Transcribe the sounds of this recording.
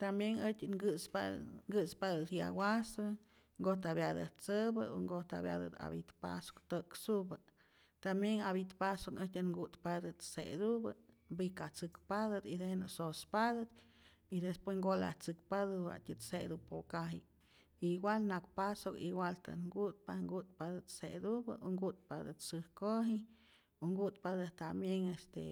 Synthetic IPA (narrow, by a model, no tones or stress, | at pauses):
t̪ambjenət͡ʃʲŋɡɨspaŋɡɨspad̪ɨt̪ja̰wasɨ | ŋɡot̪abjad̪ɨ̰t̪t͡səbɨoŋɡot̪a̰bja̰d̪ɨ̰t̪a̰bit̪pa̰so̥kt̪ɨksubɨ | t̪amjeŋabit̪pasokətʲaŋɡut̪pad̪ɨt̪sḛd̪ubɨ | bikat͡sɨkpad̪ɨd̪id̪enɨsospad̪ɨd̪ | id̪espwesŋɡola̰ht͡sɨk̚pad̪ɨwa̰ʔt̪ʲɨt̪sed̪upokaɦi | iɡwalnak̚pasokḭɡwalt̪a̰ɡut̪̚paŋɡut̪̚pad̪ɨt̪sed̪ubɨ̰oŋɡut̪̚pad̪ɨ̰t̪sɨhkoɦi | oŋɡut̪pad̪ɨt̪amjeŋest̪ḛ